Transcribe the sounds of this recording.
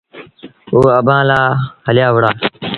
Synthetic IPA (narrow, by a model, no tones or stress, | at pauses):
ɦoːəbãːlaːɦəljaːʋəɽaː